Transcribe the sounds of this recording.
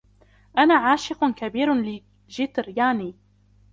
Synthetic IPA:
ʔanaːʕaːʃɪqʊkabiːɾlɪ | ʒɪt̪ɾjaʕniː

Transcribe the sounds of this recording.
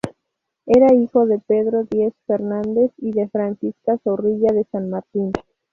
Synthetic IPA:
eɾaixo̞ðe̞peðɾo̞ðje̞sfe̞ɾnãnd̪e̞siðe̞fɾansiskasoriʝaðesanmaɾt̪in

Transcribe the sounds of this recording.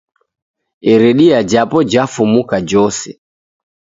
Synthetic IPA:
ɛɾɛɗiad͡ʒapɔd͡ʒafumukad͡ʒɔsɛ

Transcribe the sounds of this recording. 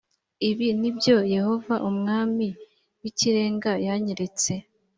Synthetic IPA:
iβinibjo̞je̞ho̞vaʔumŋaːmi | wiciɾe̞ːŋɡajaɲeɾe̞t͡se̞

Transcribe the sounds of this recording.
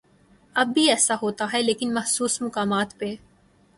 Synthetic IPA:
ɐbːiɛːsaɦoːt̪aɦɛleːkɪnmɐhsuːsmʊkaːmaːt̪pe

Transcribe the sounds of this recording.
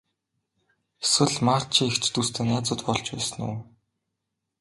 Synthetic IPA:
eswɘ̆ɮmaːr̥t͡ɕʰiŋekt͡ɕt̪ust̪ʰeːnaːt͡sʊːt̪pɔɮt͡ɕpæ̰ːsə̆nṵː

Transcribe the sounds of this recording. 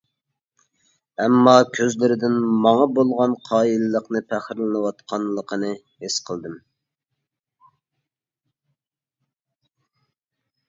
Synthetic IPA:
ɛmːɑkʲʰøzlɪɾɪd̪ɪnmɑŋɑbolˠʁɑnqʰɑːilɨlˠəqnɨpʰæχɾlɨnɨwɑt̪qʰɑnlˠəqʰənɨ | hesqʰəlˠd̪ɨm

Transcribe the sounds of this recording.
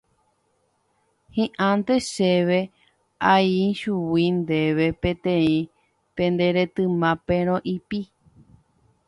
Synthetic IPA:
hĩʔãnt̪e̞ʃeʋe̞ | aiʃuwind̪e̞ʋe̞pẽt̪ẽ̞ĩ | pẽ̞nd̪e̞ɾe̞t̪ɨmãpẽɾ̃õʔipi

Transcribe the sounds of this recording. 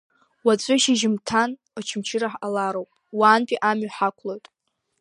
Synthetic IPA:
wat͡sʷʼʊʃiʒɪmtʰan | at͡ʃʰɪmt͡ʃʰɪɾaħalaɾowpʼwaːnpʼiʔamɥħakʷʰlojtʼ

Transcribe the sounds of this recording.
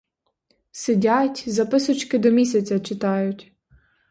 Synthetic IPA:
sɪdʲatʲzɐpɪsʊt͡ʃkɪd̪ɔmʲisʲɐt͡sʲɐt͡ʃɪt̪ɑjʊtʲ

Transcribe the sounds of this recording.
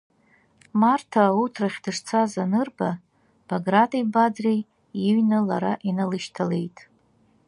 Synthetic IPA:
martʰaːutʰraχʲdɨʂt͡sʰazanɨrba | b̥aɡratʰʼibad͡zrej | iɥnɨlaɾaʔinalɨʃtʰale̞̰jtʼ

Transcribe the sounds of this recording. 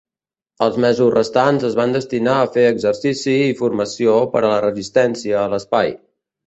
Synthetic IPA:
əlˠzmɛzusrəst̪anzəzβand̪əst̪inaəfeəɡzərsisiːfurməsiopəɾələrəzist̪ɛnsiəːləspaj

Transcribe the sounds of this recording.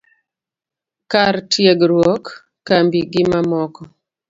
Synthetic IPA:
kartʰjeɡɾwɔkː | ambiɡɪmamɔkɔ

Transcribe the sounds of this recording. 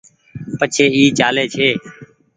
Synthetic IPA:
pət͡ʃʰeːiːt͡ʃaːleːt͡ʃʰeː

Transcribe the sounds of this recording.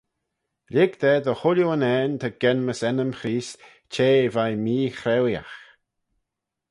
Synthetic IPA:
lʲɪɡd̪ɛːd̪əhʊljoənɛːnt̪ʰəɡ̥ɛnməsɛnəmxɾiːs | t͡ʃʰeːvajmiːxɾɛwja̰x

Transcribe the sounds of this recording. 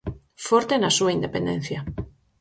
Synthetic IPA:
foɾt̪enasuaind̪epend̪ẽn̟θja

